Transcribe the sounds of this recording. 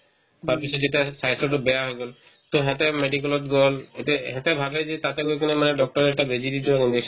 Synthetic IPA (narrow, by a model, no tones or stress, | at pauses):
paɾpisɔd͡ʑeʈasajsoʈubɛaɦɔjɡɔl | t̪oɦɛ̃t̪emeɖik̬ɔlɔt̪ɡɔleʈeɦɛ̃t̪ebʱabed͡ʒet̪at̪eɡokɔnemaneɖɔk̚ʈɔɾɛk̚ʈabed͡ʑiɾid̪iaind͡ʑekʃ